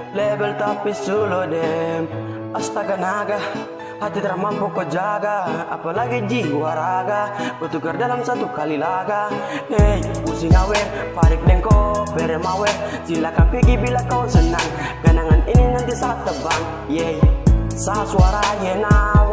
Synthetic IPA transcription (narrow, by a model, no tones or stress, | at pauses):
lɛbɛlt̪apisulɔdɛm | ast̪aɡanaɡa | hat̪it̪əɾamampɔkɔd͡ʒaɡaa̰palaɡid͡ʒiwaɾaɡapɔt̪uɡardalamsat̪ukalilaɡaɛjusiŋawɛpaɾik̚dɛŋkɔpɛɾɛmawɛsilakapiɡibilakasənːaŋ | ɡanaŋanininant̪isaat̪ːəbaŋ | jɛisaɦasuaɾajɛnaw